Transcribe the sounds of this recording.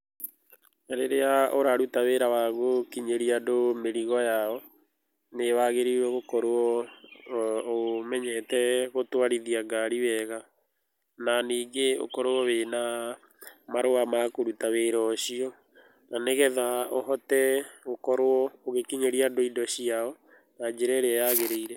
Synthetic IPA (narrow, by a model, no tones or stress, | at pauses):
aɾeɾeaoɾaɾutaweɾawaɣokiɲeɾiadomeɾiɣɔjaɔ | newaɣeɾiwɛɣokɔɾoɔ | omɛɲɛtɛɣotwaɾiðiaɡaɾiwɛɣa | naniːɡeo̰kɔɾoɔwena | maɾoamakoɾutaweɾɔɕiɔ | naneɣɛðaoɦɔtɛɣokɔɾoɔoɣekiɲeɾiadoidɔɕiaɔ | nad͡ʒeɾɛɾeajaɣeɾeiɾɛ